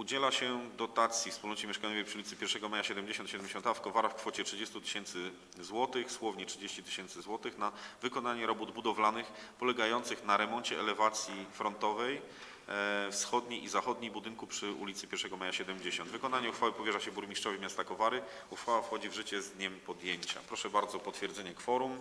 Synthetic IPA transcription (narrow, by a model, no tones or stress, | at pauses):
ud͡ʑɛlaɕɛd̪ɔt̪at̪sʲjifspulnɔt͡ɕɛmʲjɛʂkajɲɔvjejpʂɨulʲit̪sɘpʲjɛɾʂɛɡɔmajaɕɛd̪ɛmd͡ʑeɕɔnt̪ɕɛd̪ɛmd͡ʑeɕɔ̃nt̪afkɔvaɾafkfɔt͡ɕɛtʂɘd͡ʑest̪ut̪ɘ̥ɕɛnt̪sɘ | zwɔt̪ɘxswɔvɲɛtt͡ʂʂɘd͡ʑeɕt͡ɕit̪ɘ̥ɕɛnt̪sɘzwɔt̪ɘxnavɘkɔnaɲɛɾɔbud̪bud̪ɔvlanɘxpɔlɛɡajɔnt̪sɨxnaɾɛmɔnt͡ɕɛɛlɛvat̪sʲjifɾɔnt̪ɔvɛj | fsxɔd̪ɲejʔizaxɔd̪ɲejbud̪ɘŋkupʂɘṵlʲit̪sɘpʲjɛɾʂɛɡɔmajaɕɛd̪ɛmd͡ʑeɕɔnd̪vɘkɔn̪aɲɛuxfawɘpɔvʲjɛʐaɕɛbuɾmʲiʂt͡ʂɔvimʲjast̪akɔvaɾɘ | uxfawafxɔd͡ʑivʐɘt͡ɕɛzd̪ɲɛmpɔd̪jeɲt͡ɕa̰pɾɔʂɛbaɾd̪zɔpɔt̪fʲjɛɾd̪zɛɲɛkfɔɾum